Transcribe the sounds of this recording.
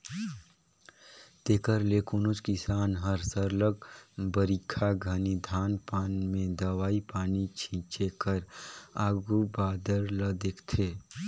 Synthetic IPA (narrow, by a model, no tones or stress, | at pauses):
t̪eːkəɾleːkʊnʊt͡ʃkisaːnɦəɾsəɾləɡ̚bəɾikʰaɡʱənid̪ʱaːnpaːnmẽd̪əwaːipaːnit͡ʃʰĩːt͡ʃekəɾaːɡubaːd̪əɾləd̪eːkʰt̪ʰeː